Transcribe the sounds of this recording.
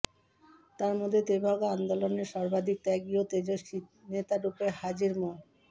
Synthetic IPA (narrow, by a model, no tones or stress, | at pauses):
t̪aɾmod̪ʱːet̪ebʱaɡeand̪oloneɾʃɔɾbad̪ʱik̚t̪ɛɡiot̪ed͡ʑoʃinet̪aɾupehad͡ʑiɾmon